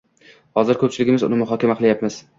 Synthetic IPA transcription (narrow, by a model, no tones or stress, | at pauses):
hɒzɪɾkʰɵp̚t͡ʃʰɪlɪɡʲɪmɪzʊ̰nɪmʊɦɒkʲamaqʰɨlˠjapmɪz